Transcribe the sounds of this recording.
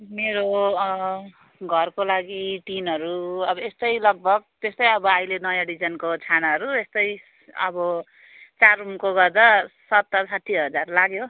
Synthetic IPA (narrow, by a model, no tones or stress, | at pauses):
meɾo | ɡʱʌrkolaɡiʈinɦʌɾuʌbʌest̪ʌjlʌɡ̚bʱʌɡ̚t̪est̪ʌjʌbʌajlenʌjãɖid͡zʌnkot͡sʰanaɦʌɾuest̪ʌj | ʌ̰bʌ | t͡sarumkoɡʌrd̪asʌt̪ːʌsaʈʰːiɦʌd͡zarlaɡjo